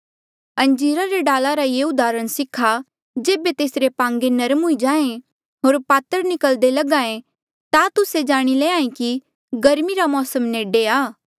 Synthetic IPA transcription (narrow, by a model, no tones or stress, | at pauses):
ɐ̃ɲd͡ʒiːɾaɾeɖaːlaɾajeːʊd̪aːɾəɽ̃sɪkʰːa | d͡ʒeːbet̪eːsɾepãːŋɡenɐɾəmɦʊid͡ʒãːẽ | ɦoːɾpaːt̪əɾnɪkəld̪elɐɡãːẽ | t̪at̪ʊsed͡ʒaːɽ̃ileãːẽki | ɡɐɾmiɾamɔːsəmneːɖeaː